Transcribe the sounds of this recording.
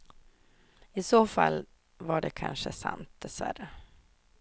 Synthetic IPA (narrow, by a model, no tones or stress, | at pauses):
ɪsoːfalː | vaɖɛkʰanʂəsant̪̚d̪̥ɛsvæɾə